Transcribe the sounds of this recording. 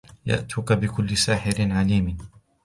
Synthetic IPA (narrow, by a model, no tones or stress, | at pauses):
ja̰ʔt̪ʰʊkabɪkʊlːɪsaːħɪɾɪnʕaliːm